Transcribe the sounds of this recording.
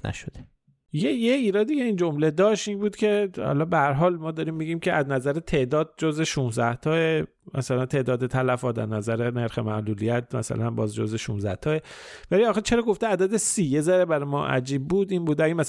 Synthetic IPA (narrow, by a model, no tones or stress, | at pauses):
næ̰ʃod̪e | jejeiːɾɒːd̪icʰe̞iːnd͡ʒo̞mle̞d̪ɒːʃt̪iːnbuːd̪̥cʰe̞hɒ̰lɒbehæɾɦɒːlmɒːd̪ɒɾiːmːiːɟiːmcʰe̞ʔæznæzæɾet̪ʰe̞ʔd̪ɒːd̪̚d͡ʒozeʃunzæht̪ʰɒːe | mʔæ̰sælænt̪ʰe̞ʔd̪ɒːd̪e̞t̪ʰælæfɒːt̪æ̰znæzæɾene̞ɾxe̞mæʔluːlijæt̪̚ʰmæ̰sæ̰lænbɒːzd͡ʒo̰ze̞ʃunzæht̪ʰɒːevæliɒːxet͡ʃʰe̞ɾɒːɡo̞ft̪eæd̪æd̪esiːjezæɾebæɾemɒ̰ːʔæ̰d͡ʒiːb̚ːuːd̪iːnbuːd̪æɡemæs